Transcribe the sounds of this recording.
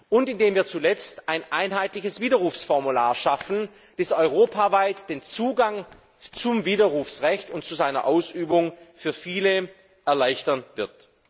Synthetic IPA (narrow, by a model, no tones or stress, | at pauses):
ʔʊntɪndeːmviːɐt͡sulɛt͡stʔaɪnʔaɪnɦaɪtlɪçəsv̥iːdɐʁuːfsfɔʁmulaːɐʃafn̩ | d̥ɛsɔʏʁoːpʰavaɪtd̥eːnt͡suːɡaŋ | t͡sʊmviːdɐʁuːfsʁɛçtʊnt̚t͡suzaɪnɐ̰ʔaʊsyːbʊŋfyːɐfiːlə | ʔɛɐlaɪçtɐnvɪɐt